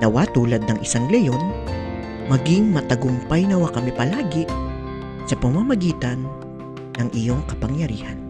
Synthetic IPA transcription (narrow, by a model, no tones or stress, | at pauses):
nɐwat̪uːlɐd̪̚nɐŋʔɪsaŋlɛjo̞n | mɐɡɪŋmɐt̪ɐɡʊmpajnɐwakɐmɛpɐlaːɡɪ | sɐpɐmamɐɡiːt̪ɐnː | ɐŋʔɪjo̞ŋkɐpɐŋjɐɾḭːhɐn